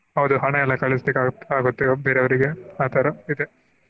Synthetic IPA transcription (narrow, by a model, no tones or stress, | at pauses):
ɦɐʋd̪uɦɐɳɐɛlːɐkɐɭisd̪ekaːaːɡut̪ːebeːɾeʋɐɾiɡeaːt̪ɐːɾɐid̪e